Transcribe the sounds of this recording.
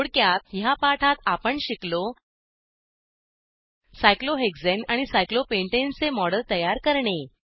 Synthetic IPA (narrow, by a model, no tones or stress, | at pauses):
oɽkjat̪japaʈʰat̪apəɳɕiklo | sajkloɦeɡd͡zenaɽ̃isajklopeɳʈent͡semɔɽəlt̪əjaɾkəɾɳe